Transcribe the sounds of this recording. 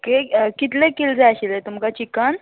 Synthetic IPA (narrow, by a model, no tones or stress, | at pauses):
kekit̪lẽkild͡zaaɕilet̪umkat͡ɕikan